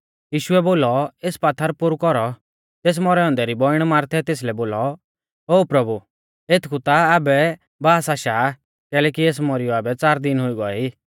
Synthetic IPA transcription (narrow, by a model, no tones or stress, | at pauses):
jiːʃʊɛboːlɔeːspat̪ʰːəɾpʊɾukɔɾɔ | t̪eːs̬mɔɾɛɔ̃nd̪ɛɾibɔɪɽ̃maːɾt̪ʰɛt̪eːs̬lɛboːlɔ | oːpɾɐbu | et̪ʰkʰut̪aːbɛ | baːsaːʃaː | kɛːlɛk̬ieːs̬mɔɾɪjɔabɛt͡saːɾd̪ɪnɦʊiɡɔɛiː